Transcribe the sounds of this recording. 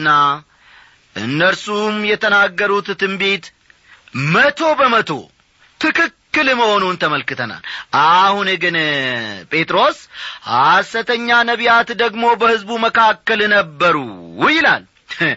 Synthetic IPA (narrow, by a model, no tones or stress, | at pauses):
nːa | ʔɨ̰nːəɾsumjɛt̪ʰənaɡːəɾut̪t̪ɨmbe̞t̪ | mət̪ʰo̞bəmət̪ʰo̞̰ | t̪ʰɨkɨkːɨlməho̞nunt̪ʰəməlkɨt̪ʰəna̰lʔahunɡɨnpʼe̞t̪ʼɾo̞shasət̪ʰəɲːanəβijat̪d̪əɡmo̞bəhɨzbuməkʰakːəlnəbːəɾṵwjɪlal